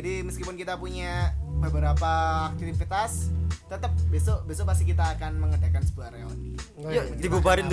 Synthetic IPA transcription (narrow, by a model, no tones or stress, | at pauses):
adiməskipʊnkit̪apuɲabəbəɾapaːk̚t̪iifit̪ast̪ət̪əp̚besobes̬opas̬t̪ik̬it̪aːkanməŋədakansəpuaɾeɔ̰ni | jat̪ibupaɾɪnt̪